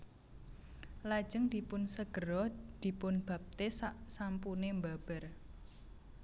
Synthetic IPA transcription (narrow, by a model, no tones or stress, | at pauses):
lḁd͡ʒəŋd̪̥i̤pʊnsəɡ̥əɾɔd̪̥i̤pʊnb̥a̤p̚t̪ɪssampunembab̥ər